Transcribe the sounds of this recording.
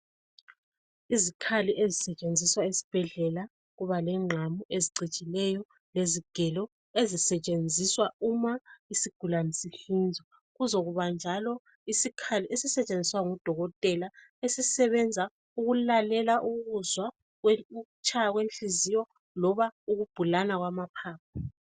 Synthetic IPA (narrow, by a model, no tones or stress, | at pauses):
izikʰaliʔezisɛt͡ʃʼend͡zʱiswaisi̥b̥ʱɛɮɛla | ɣuβalɛŋ͡ǁʱamuʔeziǀit͡ʃʼilɛjɔ | leziɡ̥ʱɛlɔ | ezisɛt͡ʃʼend͡zʱiswaumaisiɡ̥ʱulanisiɬind͡zʱɔ | ɣuzoɣuβand͡ʒʱalɔ | isikʰalesisɛt͡ʃʼend͡zʱiswaŋud̥ʱɔɣɔtʼɛla | esisɛβɛnd͡zʱa | uɣulalɛlaʔuɣuzwa | t͡ʃʰʼaaɣwent͡ɬizijɔ | lɔβauɣub̥ʱulanaɣwamapʰaːp̚ʰḁ